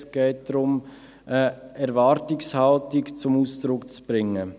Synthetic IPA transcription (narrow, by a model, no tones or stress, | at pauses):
sɡ̥ɛːt̚d̥ɾʊm | əɛɾvɑːɾtɪkshaltɪkt͡sʊmuːsd̪̥ɾʊkt͡sb̥ɾɪŋːə